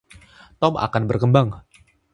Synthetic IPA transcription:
t̪ɔma̰kanbərkəmbaŋ

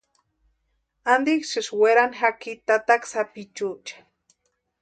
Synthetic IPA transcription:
and̪iksɨʃweɾanxakit̪at̪aksapit͡ʃut͡ʃḁ

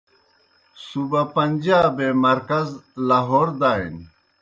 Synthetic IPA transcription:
subapɐnʲd͡ʑaːbemɐɾkɐzlaɦoːɾd̪aːḭn

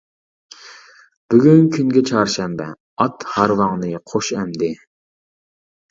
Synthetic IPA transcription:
b̥yɡʲynkʲʰynɡʲɛt͡ʃʰɑːɾʃɛmbɛ̰ | ɑt̪hɑɾwɑŋnɨqʰoʃɛmd̪ɪ

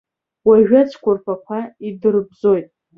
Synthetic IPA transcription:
waʒᶣat͡sʰkʷʰʊrpʰakʷʰaidɨrbzo̞jtʼ

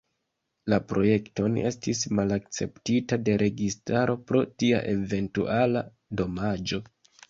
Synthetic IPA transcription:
lapɾo̞je̞kto̞ne̞stismalak̚t͡se̞̰ptitade̞ɾʔe̞ɡistaɾo̞pɾo̞tia̰ʔe̞ve̞ntṵʔala | do̞mad͡ʒo̞

